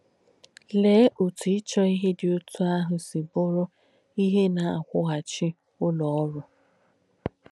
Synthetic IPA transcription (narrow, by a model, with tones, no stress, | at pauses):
leː˨˦ʔo˨tu˨ɪ˦t͡ʃɔ˦i˦ɦe˦dɪ˨o˦tʰu˦a˦ɦʊ˨si˨bʊ˦ɾʊ˦ | i˦ɦe˦na˨a̰˨kʷʊ˦ɦa˨t͡ʃɪ˦ | ʊ˦lɔ˨ɔ˦ɾʊ˨